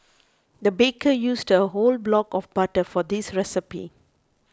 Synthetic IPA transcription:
d̪əbekʰəjuːsdəɦolblɔkɔfbatəfɔd̪isɹɛsɪpḭ

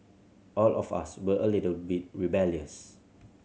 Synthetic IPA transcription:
ʔɔlɔfa̰swəʔəlitəlbit̚ɹibɛljəs

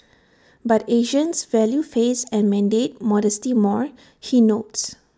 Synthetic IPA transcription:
bateʒə̃nsvɛljufesɛ̃nmɛ̃ndet̚mɔdɛstimɔɹ | hinots

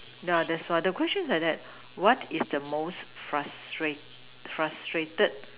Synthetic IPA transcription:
dɛdɛswadəkwɛst͡ʃə̃nsadɛt̚ | wɔtʰɪsdəmosfɹastɹet | fɹastɹetəd̚

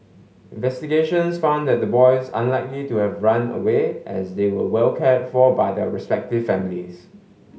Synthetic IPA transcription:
ɪ̃nvɛstiɡeʃə̃nsfãʊ̃ndɛt̚dəbɔɪsã̰nlaɪklituhɛvɹãnə̰weʔɛsdewəwɛlkʰɛtfɔbaɪdɛɹɛspɛk̚tɪv̥fɛmlis

